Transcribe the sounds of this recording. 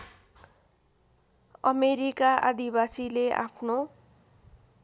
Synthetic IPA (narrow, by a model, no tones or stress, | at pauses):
ʌmeɾikaʔad̪ibasilea̰pʰno